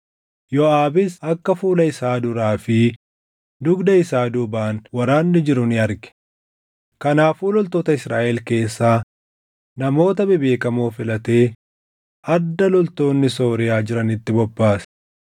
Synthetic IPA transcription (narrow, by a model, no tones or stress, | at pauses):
jɔaːbɪsɐkːɐfuːlɐɪsaːd̪ʊɾaːfɪ | d̪ʊɡd̪ɐɪsaːd̪ʊbaːnwɐɾaːnːɪd͡ʒɪɾʊnɪɐɾɡɛ̥ | kɐnaːfuːlɔlt̪oːt̪ɐɪsɾaːʔɛlke̞ːsːaː | nɐmo̞ːt̪ɐbɪbe̞ːkɐmoːfɪlɐt̪e̞ː | ʔɐd̪ːɐlɔlt̪o̞ːnːɪso̞ːɾɪjaːd͡ʒɪɾɐnɪt̪ːɪbɔbːaːs